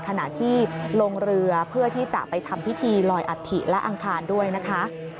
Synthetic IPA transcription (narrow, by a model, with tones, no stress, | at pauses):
kʰa˧na˨˩ʔt̪ʰiː˥˩loː˧ŋɾɯ˧ɐpʰɯ˥˩ɐt̪ʰiː˥˩t͡ɕa̰˨˩ʔpa˧jt̪ʰa˧mpʰi˦˥t̪ʰiː˧lɔː˧jʔa˨˩t̪ʰḭ˨˩ʔlɛ˦˥ʔa˧ŋkʰaː˧ndu˥˩əjna˦˥kʰa˦˥